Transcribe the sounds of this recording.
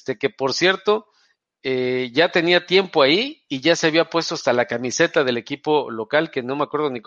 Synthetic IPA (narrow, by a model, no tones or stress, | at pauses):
t̪eke̞po̞ɾsje̞ɾt̪o̞ | eʝat̪e̞niat̪je̞mpo̞aiːʝase̞aβ̞iapwe̞st̪o̞ast̪alakamise̞t̪aðe̞le̞kipo̞lo̞kalke̞no̞me̞akwe̞ɾðo̞nik